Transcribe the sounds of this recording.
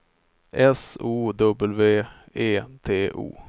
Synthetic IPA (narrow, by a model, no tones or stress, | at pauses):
ʔɛsuːd̪ɵbəlveː | eːt̪ʰeːʔṵː